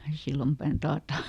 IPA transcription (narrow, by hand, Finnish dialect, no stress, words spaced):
silːɑmpæˑn tɑːtɑ